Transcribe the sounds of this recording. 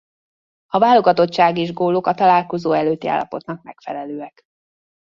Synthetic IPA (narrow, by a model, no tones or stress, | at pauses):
ɒvaːlo̞ɡɒt̪o̞t͡ʃːʃaːɡeʒɡoːlokɒt̪ɒlaːlko̞zoːɛløːt̪ːia̰ːlːɒ̰po̞t̪nɒk̚mɛkfɛlɛløːɛk